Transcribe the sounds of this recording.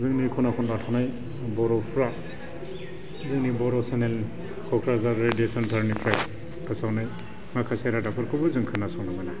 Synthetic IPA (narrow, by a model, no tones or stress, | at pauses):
zɯŋnikʰɔnakʰɔndatʰanaj | bɔɾɔpʰɾa | zɯŋnibɔɾɔsenel | kʰɔkʰɾazaɾediesantʰaɾnipʰɾaj | pʰɯsawnaj | makʰasajɾadapʰɯɾkʰubɯzɯŋkʰɯnːasawnamajna